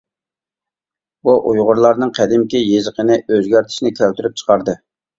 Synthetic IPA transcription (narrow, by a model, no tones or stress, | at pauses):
buʔujʁʊɾlˠɑɾnɨŋqʰæd̪ɪmkʲijezəqənɪøzɡʲæɾt̪ʰɪ̥ʃnɪkʲʰælt̪yɾyp̚t͡ʃʰə̥qʰɑɾd̪ɨ